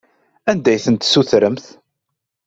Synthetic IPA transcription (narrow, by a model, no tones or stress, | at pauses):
ænd̪æjθənt̪suθɾəmθ